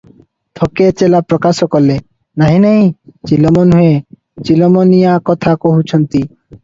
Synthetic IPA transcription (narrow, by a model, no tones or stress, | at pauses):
t̪ʰɔket͡ʃelapɾɔkasɔkɔɾle | naɦĩnaɦĩt͡ʃilɔmɔnɦue | t͡ʃilɔmɔnijakɔt̪ʰakoɦut͡ʃʰɔnt̪i